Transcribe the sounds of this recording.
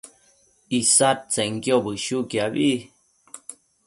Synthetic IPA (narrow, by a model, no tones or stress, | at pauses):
isat̚t͡seŋkjobɨʃukjabi